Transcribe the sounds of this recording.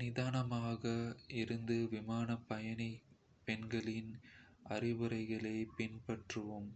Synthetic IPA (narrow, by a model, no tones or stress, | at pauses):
nɪðaːnɐmaːɣɐɪɾɯnd̪ɯʋɪmaːnɐpːɐjɐnɐ | pɛnɡɐɭɪnʔɐrɪʋɯɾɐɪɣɐɭɐɪpɪnpɐʈrɯʋɯm